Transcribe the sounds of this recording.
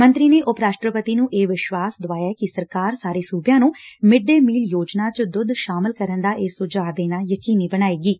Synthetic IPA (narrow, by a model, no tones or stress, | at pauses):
mə̃nt̪ɾiːneːʔʊpɾaːʃʈɾəpət̪iːnũːʔeːʋɪʃʋaːsd̪ʊʋaːjaːɛkisəɾkaːɾsaːɾeːsuːbjãːnũːmɪɖːeːmiːljoːd͡ʒnãːt͡ʃd̪ʊd̪ʃaːmɪlkəɾənd̪aːʔeːsʊd͡ʒaːd̪eːnaːjəkiːniːbəɽ̃aːiːɡiː